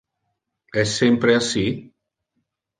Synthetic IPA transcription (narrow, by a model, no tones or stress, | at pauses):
ɛsːempɾeasi